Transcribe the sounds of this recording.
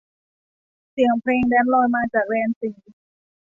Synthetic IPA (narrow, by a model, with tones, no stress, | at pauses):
si˨˩˦əŋpʰɾeː˧ŋdɛː˦˥nlɔː˧jmaː˧t͡ɕaː˨˩k̚ɾɛː˧nsiː˩˦